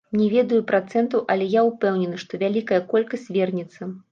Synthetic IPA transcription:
mnʲɛvʲɛd̪ɐjupɾat̪sɛnt̪ɐwʔɐlʲɛjaupɛwnʲɛnɨʂt̪ɔvʲalʲikɐjɐkɔlʲkɐsʲtʲvʲɛrnʲɛt̪sːɐ

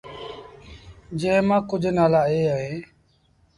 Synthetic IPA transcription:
d͡ʒẽːɦmãːkʊd͡ʒʱnaːlaːeːəɦeː

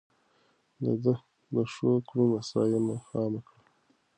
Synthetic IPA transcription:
d̪əd̪ə | d̪əʂokɽunasɾɑ̰jemaxɑmakɽa

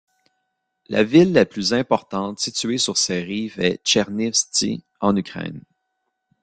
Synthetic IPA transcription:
lʔa̰vɪlːaplyzɛ̃pɔʁt̪ɑ̃t̪sit͡syɥesyʁsɛʁiːvɛt͡ʃɛʁnɪstḭ | ɑ̃nykʲʁɛ̰n

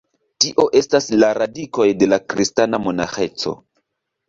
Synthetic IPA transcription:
tiʔo̞ʔe̞staslaɾadiko̞jde̞lakɾistanamo̞na̰xe̞t͡so̞̰

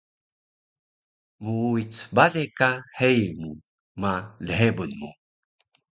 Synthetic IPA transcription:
muuit͡sbaɮekahejmu | maləɦebunmu

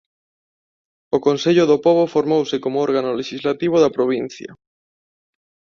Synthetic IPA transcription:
okonseʎʊðopɔβofoɾmowsɪkomoɔɾɣanoleʃizlat̪iβ̞ʊðapɾoβ̞in̟θjɐ̰

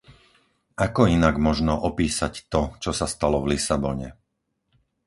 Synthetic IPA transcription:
akɔinaɡmɔʒnɔʔɔpiːsact̪ɔt͡ʃɔsast̪alɔvlisabɔɲɛ̰

